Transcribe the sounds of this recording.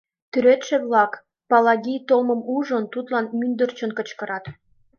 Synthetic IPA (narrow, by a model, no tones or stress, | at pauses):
t̪yɾet̪ʃĕβlɑk | pɑlɑɣʲijt̪olmə̆muʒə̆nt̪ut̪lɑnmynd̪ərt͡ɕənkə̆t͡ɕkɤ̆ɾɑt̪